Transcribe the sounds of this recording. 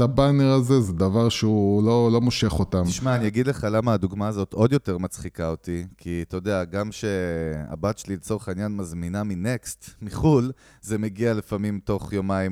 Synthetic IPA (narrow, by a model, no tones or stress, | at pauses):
abane̞ʁazezed̪avaʁʃeulolo̞moʃe̞χo̞t̪amʃmaːnijaɡid̪le̞χalamaːd̪uɡmaːzot̪ʰo̞djo̞te̞ʁmat͡sχikaotikʰit̪ojod̪eaɡamʃe̞a̰bat̪ʃelilet͡so̞ʁeχainjanmazminamine̞kst̪miχul | ze̞meɡialefamimto̞χjomaim